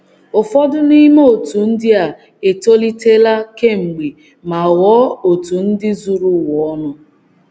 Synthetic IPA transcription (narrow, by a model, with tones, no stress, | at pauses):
ʊ˨fɔ˦dʊ˦ni˦me˦o˨tu˨n̩˦dɪ˦a˨ | e˨to˦li˦te˦la˦ke˦ŋ͡m̩˨ɡ͡be˨ | ma˨wɔ˨˦o˨tu˨n̩˦dɪ˦zu˦ɾu˦˨wɔ˨ɔ˦nʊ˦